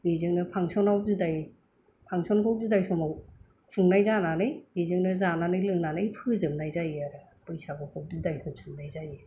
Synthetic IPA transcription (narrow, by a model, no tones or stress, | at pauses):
bizɯŋnɯpʰaŋsɔnawp̚zidaj | pʰaŋsɔnkʰɔwp̚zidajsɔmaw | suŋnajzananɯjbizɯŋnɯzananɯjlɯŋnanɯjpʰɯzɯmnajzajiaɾɯ | pɯjsabɯkʰɔp̚zidajhɯp̚zɯmnajzaji